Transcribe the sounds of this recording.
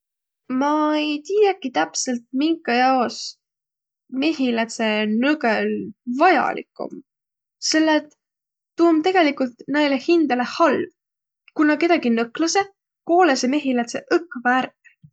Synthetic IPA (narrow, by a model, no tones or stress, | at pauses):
mɑe̞jt̪ijekit̪æpse̞lt̪̚miŋɡɑjɑos | me̞hilæt̪se̞nɤɡølvɑjɑ̰lḭkːˑṵm | se̞lːet̪ː | uːmt̪e̞ɡe̞likult̪nejlehind̪̥ɑle̞hɑlv | kunɑke̞d̪ɑɡinɤklɑse̞ | ko̞ːleseme̞ɦilæt̪seʔɤkːɑvæɾk